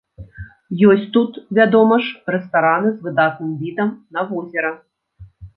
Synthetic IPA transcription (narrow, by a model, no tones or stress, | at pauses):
jɔsʲt͡sʲt̪ut̪vʲad̪ɔmɐʂrɛst̪aɾanɨzvɨd̪at̪nɨmvʲid̪ɐmnɐvɔzʲɛɾɐ